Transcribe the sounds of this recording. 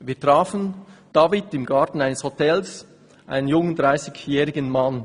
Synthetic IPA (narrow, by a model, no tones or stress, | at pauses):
viːtʁ̥aːfən̩d̥ɑːvɪtɪmɡɑɹtn̩aɪnəshotʰɛls | ʔa̰ɪnənjʊŋənd̥ʁaɪsɪɡjɛːʁɪɡənman